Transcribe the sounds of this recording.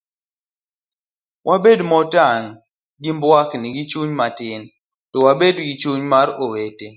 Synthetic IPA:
wʔabedmɔtaŋ | ɡimbwakniɡit͡ʃuɲmatɪn | tɔwabedɡit͡ʃuɲmaɾowete

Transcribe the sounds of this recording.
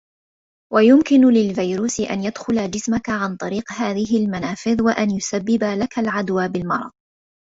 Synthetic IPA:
wajʊmkɪnʊlɪlvajɾuːsɪʔa̰njad̪xʊlad͡ʒɪsmakaʕant̪ˤɑɾiːqhaːðɪɦɪlmanaːfɪðwaʔanjʊsabːɪbalakalʕad̪waːbɪlmɑɾˤɑ̰ð̥ˤ

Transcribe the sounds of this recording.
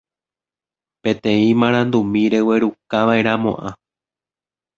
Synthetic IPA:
pẽ̞t̪ẽ̞ĩmãɾ̃ãnd̪umĩɾe̞we̞ɾukaʋae̞ɾãmõ̞̰ʔã

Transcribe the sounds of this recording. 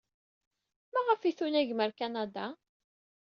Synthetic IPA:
mæʁəfiθunæʝməɾkanad̪a

